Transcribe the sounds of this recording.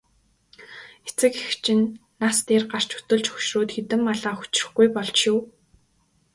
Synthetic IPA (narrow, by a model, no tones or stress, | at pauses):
et͡sɘ̆kext͡ɕʰɪ̆nː | ast̪eːrɢar̥t͡ɕu̥t̪ɵ̆ɮt͡ɕxɵ̥ʃroːt̪xet̪ɘ̆mːaɮaːxu̥t͡ɕ̆rɘ̥̆xɡujpɔɮt͡ɕjʊw